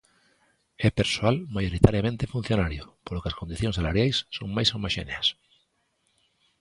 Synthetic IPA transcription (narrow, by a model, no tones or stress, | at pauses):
ɛpeɾsoalmajoɾit̪aɾjamẽnt̪efun̟θjonaɾjopoɾlokeaskond̪iθjoŋsalaɾjajsːo̰ŋmajsawmaʃḛneas